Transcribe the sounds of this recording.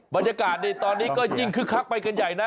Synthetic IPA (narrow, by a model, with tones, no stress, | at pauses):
baː˧njaː˧kaː˨˩t̪̚ni˧˩t̪ɔː˧nːiː˦˥˩kɔː˥˩t͡ɕi˧˩ŋkʰɯ˦˥˩kʰa˦˥˩k̚pa˧jka˧nja˨˩jna˦˥